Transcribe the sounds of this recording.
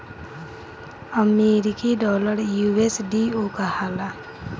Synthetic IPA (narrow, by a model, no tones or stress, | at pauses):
əmeɾikiɖɔːləɾjuesɖiokahala